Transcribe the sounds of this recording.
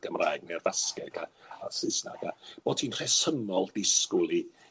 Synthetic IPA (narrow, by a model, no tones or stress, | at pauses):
ɡ̥əmra̰jɡ̚nɛrvaskɛɡaasɪsna̰ɡab̥oːdtʰiːnr̥ɛsənɔlˠdɪskʊlˠi